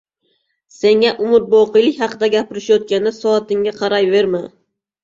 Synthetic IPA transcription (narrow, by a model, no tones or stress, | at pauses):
se̞ŋʲaʔʊmɪɾ̚boqɨjlˠɪkʲhɑqɨd̪aɡʲapɪɾɪʃjot̪̚kʲanɪsɒːt̪ɪŋɡʲaqʰɑɾajve̞ɾmɪ